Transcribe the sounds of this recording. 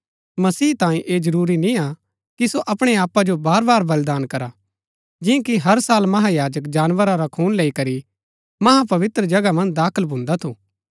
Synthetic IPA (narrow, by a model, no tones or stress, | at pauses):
mɐsiːt̪ãːĩʔeːd͡ʒɐɾuːɾinĩa | kisoʔɐpɽ̃eaːpad͡ʒobaːɾbaːɾbɐld̪aːnkɐɾa | d͡ʒɪ̃ãkiɦɐɾsaːlmɐɦajaːd͡ʒək̬d͡ʒaːnʋəɾaɾakʰuːnleːikɐɾi | mɐɦãpɐʋɪt̪ɾəd͡ʒɐɡamɐ̃nd̪aːkʰəlbʱʊ̃ːnd̪at̪ʰuː